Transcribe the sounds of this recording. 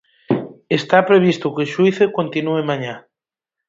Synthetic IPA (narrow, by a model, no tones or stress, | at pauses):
est̪apɾeβ̞ist̪ʊkeʃwiθekont̪inuemaɲa